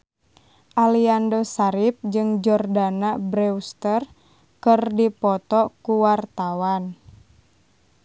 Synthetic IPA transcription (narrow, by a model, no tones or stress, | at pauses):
ʔaliandosaɾip̚d͡ʒɨŋd͡ʒɔrdanabɾɛust̪ər | kɨrdipɔt̪ɔkuwart̪awan